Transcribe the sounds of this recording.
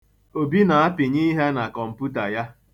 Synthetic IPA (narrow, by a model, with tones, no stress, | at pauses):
o˨bi˦na˨a˦pɪ˨ɲiː˦ɦe˦na˨kɔ˨m̩˨pu˦ta˨ja˦